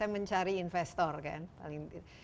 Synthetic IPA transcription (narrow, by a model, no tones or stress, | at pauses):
ajməɲt͡ʃaɾiːnfɛst̪ɔrka̰npa̰lɪŋ